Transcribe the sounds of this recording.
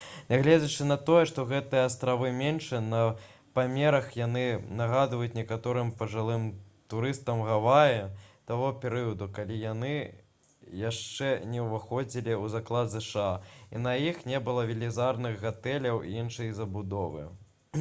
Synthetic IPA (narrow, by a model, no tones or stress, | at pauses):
nʲaɣlʲed͡zʲɐt͡ʂɨnɐt̪ɔjɛʂt̪ɔɣɛt̪ɨjɐːst̪ɾavɨmʲenʂɛnɐ | pamʲɛɾɐxjanɨnɐɣad̪vɐjut͡sʲnʲɛkat̪ɔɾɨmpɐʐɨlˠɨmt̪uɾɨst̪ɐmɣavajɛt̪aɣɔpʲɛɾɨjɐd̪ukalʲijanɨ | jaʂt͡ʂɛnʲɛwvaxɔd͡zʲilʲiuzaklˠad̪zɛʂɨaḭnɐjixnʲɛbɨlˠɐvʲilʲizarnɨɣɣat̪ɛlʲɐwʔḭinʂɐjɐzɐbud̪ɔvɨ̰